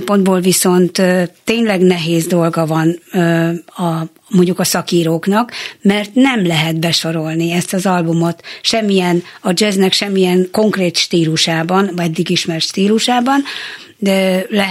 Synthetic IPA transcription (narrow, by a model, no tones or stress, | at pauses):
mpo̞nd̪boːlviso̞nt̪øːt̪ːeːɲlɛɡnɛɦeːzd̪o̞lɡɒvɒn | ɒ | moɲɟukɒsɒkiːɾoːknɒkmɛrt̪nɛmlɛɦɛt̪bɛʃo̞ɾo̞lniɛst̪ɒzɒlbumo̞t̪ʃɛmːijɛnɒd͡ʒɛznɛkʃɛmːijɛŋko̞ŋkreːt̪ʃt̪iːluʃaːbɒnɛd̪ːiɡiʃmɛrʃt̪iːluʃaːbɒn | ɛlɛ